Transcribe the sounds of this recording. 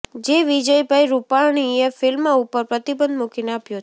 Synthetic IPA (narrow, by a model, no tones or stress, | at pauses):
d͡ʒeʋid͡ʒəjbʱajɾupaɳ̃iefɪlmaupəɾpɾət̪ibənd̪mukineapjo